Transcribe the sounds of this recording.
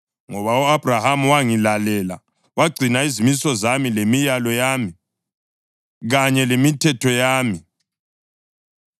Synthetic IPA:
ŋɔβauab̥rahamuwaŋilalɛla̰ | waɡ͡ǀʱinaizimisɔzamilemijalɔjaːmi | ɣaɲɛlemitʰɛtʰɔjaːmi

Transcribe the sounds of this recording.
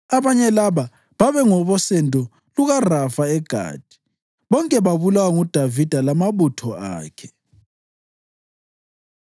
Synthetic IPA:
aβaɲɛlaβa | βaβɛŋɔβɔsɛndʱʼɔ | luɣarafaɛɡ̥ʱa̰ːd̥ʱi̥ | βɔŋkʼɛβaβulawaŋud̥ʱavid̥ʱalamaβutʰɔa̰ːkʰɛ̥

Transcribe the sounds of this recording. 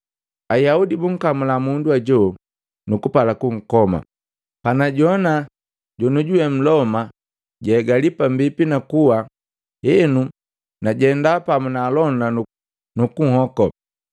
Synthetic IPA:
ajaudibuŋ̩kamulamunduaɟɔ | nukupalakuŋ̩kɔma̰ | panaɟɔna | ɟɔnuɟuwɛm̩lɔma | ɟɛːɡalipambipinakuwa | jɛnu | naɟɛndapamunalɔnanu | nukuhɔkɔ

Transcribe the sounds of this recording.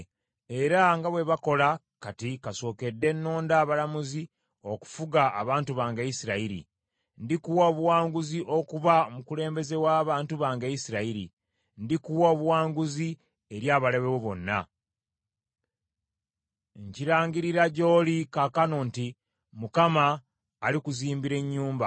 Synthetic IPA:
e̞ɾaŋɡaβwe̞βako̞la | katikaso̞ːke̞dːe̞nːo̞ːndaːβalamuzi | o̞ku̥fuɡaːβaːntuβaːŋɡaisiɾaiɾḭ | ndikuwaoβuwaːŋɡuziʔo̞kuβaomukule̞ːmbe̞ze̞waːβaːntuβaːŋɡeisiɾaiɾḭ | ndikuwaβuwaːŋɡuzi | e̞ɾjaːβaleβeweβo̞nːa̰ | ɲciɾaːɲɡiɾiɾaɟo̞ːlikakanonti | mukamaː | likuziːmbiɾe̞ɲːuːmba

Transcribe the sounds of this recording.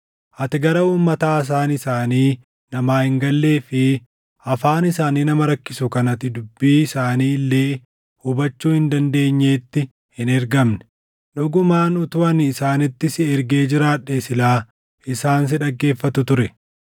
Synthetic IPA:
ʔɐt̪ɪɡɐɾɐuːmːɐt̪aːɪs̬aːnɪsaːniː | nɐmaːhɪŋɡɐlːe̞ːfɪ | ʔɐfaːnɪsaːniːnɐmɐɾɐkːɪsʊkɐnɐt̪ɪd̪ʊbːiːɪsaːniːlːe̞ː | hʊbɐt͡ʃːuːhɪnd̪ɐnd̪e̞ːɲːeːt̪ːɪ | hɪnɛɾɡɐmnɛ̥ | ᶑʊɡʊmaːnʊt̪ʊɐnːsaːnɪt̪ːɪsɪɛɾɡe̞ːd͡ʒɪɾaːᶑːeːsɪlaː | ɪsaːns̬ɪᶑɐɡːe̞ːfːɐt̪ʊt̪ʊɾɛ

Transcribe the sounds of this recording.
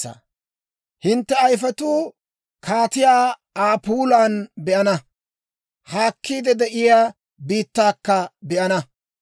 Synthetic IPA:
ɐ̰ | hɪnt̪ːɛɐjfɛt̪uː | kʰaːt̪ɪjaː | aːpuːlaːnbɛʔɐnɐ | haːkːiːd̪ɛd̪ɛʔɪjaː | biːt̪ːaːkːɐbɛʔɐnɐ

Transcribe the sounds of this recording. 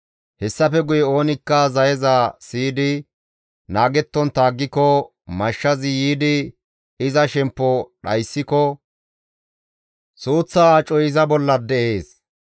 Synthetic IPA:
hɛsːɐfɛɡʊjɛo̞ːnɪkːɐzɐjɛzaːsiːd̪ɪ | naːɡɛt̪ːɔnt̪aːɡːɪkɔ | mɐʃːɐzɪjiːd̪ɪ | ɪzɐʃɛmpːɔɗɐjsːɪkɔ | suːt͡sːaːt͡ʃʼɔjɪzɐbɔlːɐd̪ɛʔe̞ːs

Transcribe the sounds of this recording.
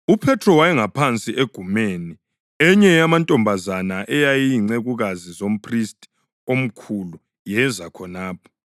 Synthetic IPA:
upʰɛtʰrɔwajɛŋapʰant͡sʼiʔeɡ̥ʱumeːni | ɛɲɛjamantʼɔmbʱazanaʔɛjajiŋ͡ǀeɣuɣazizom̩pʰristʼ | om̩kʰulu | jɛzakʰɔnaːpʰɔ̥

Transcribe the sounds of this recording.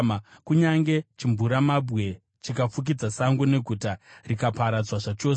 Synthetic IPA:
mkuɲaŋɡe̞t͡ʃiɱvuɾamabɣe̞ | t͡ʃikafuk̬id͡zasaŋɡune̞ɡʱutarikapaɾad͡zwaʐat͡ʃo̞

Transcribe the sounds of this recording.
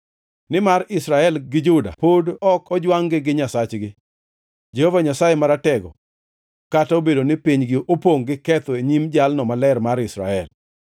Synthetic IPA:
nɪmaɾɪsɾaɛlɡɪd͡ʒʊda̰podɔkʰɔd͡ʒwaŋɡɪɡɪɲasat͡ʃɡɪ | d͡ʒehovaɲasajemaɾatɛɡɔ̰ | kataobedonɪpiɲɡɪʔopoŋɡɪkɛt̪oeɲimd͡ʒalnɔmalɛrmaɾɪsɾa̰ɛl

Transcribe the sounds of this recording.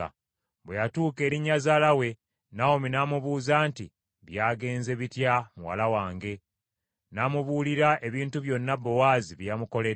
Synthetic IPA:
a̰ | βwejatuːke̞ːɾiɲːazalawe̞ | nawominaːmuβuːzaːnti | βjaːɡe̞ːnze̞βitjamuwa̰lawaːŋɡe̞ | namuβuːliɾaʔe̞βiːntuβjo̞nːabːo̞waːziβjamuko̞le

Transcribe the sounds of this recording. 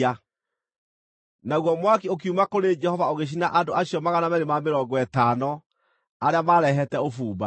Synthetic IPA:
a | naɣwɔmwak̬iok̬iumakoɾed͡ʒɛhɔvaoɣeɕ̬inaʔandoʔaɕijɔmaɣanamɛɾemameɾɔɡwɛtaːnɔ | aɾeamaːɾɛɦɛtɛofuːba̰

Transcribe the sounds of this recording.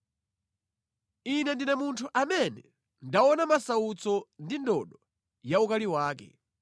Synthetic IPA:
inɛndinɛmuntʰuʔamɛnɛ | ndawɔnamasaut͡sɔndindɔɗɔ | jaukaliwaːkɛ̰

